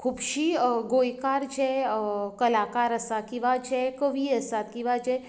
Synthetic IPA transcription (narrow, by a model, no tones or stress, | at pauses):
kʰuːbʃiɡojkaɾt͡ʃʰekəlakaɾəsakiʋat͡ʃʰekəʋiəsat̪kiʋat͡ʃʰe